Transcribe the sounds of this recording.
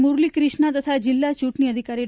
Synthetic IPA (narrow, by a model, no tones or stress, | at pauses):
muɾliːkɾiʂɳat̪ət̪ʰad͡ʑilːat͡ɕuʈɳiəd̪ʱikaɾi